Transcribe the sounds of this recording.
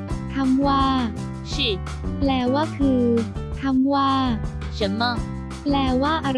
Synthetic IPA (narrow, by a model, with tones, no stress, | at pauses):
t̪ʰa˧˥mwaː˥˩ | ɕi˥˩ | plɛː˧˩waː˥˩kʰɯː˧t̪ʰa˧mwaː˥˩ | ɕa˨˦nma˥˩ | plɛː˧waː˥˩ʔa˧ɾ